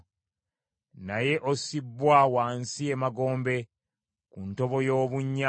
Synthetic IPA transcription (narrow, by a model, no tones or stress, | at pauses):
naje̞ʔosibːwawaːnsiemaɡo̞ːmbe̞ | kunto̞βo̞jo̞ːβuɲːa